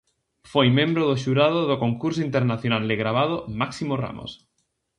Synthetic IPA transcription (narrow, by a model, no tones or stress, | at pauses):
fojmẽmbɾoð̞oʃuɾað̞oðokoŋkuɾs̬oint̪eɾnaθjonald̪eɣɾaβ̞að̞omaksimora̰mo̰s